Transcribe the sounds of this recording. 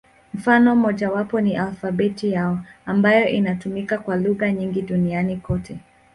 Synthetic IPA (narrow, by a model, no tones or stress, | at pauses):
m̩fanɔm̩mɔʄawapɔniʔalfabɛtijaɔambajɔʔinatumikakwaluɣaɲiŋɡiɗunianikɔtʰɛ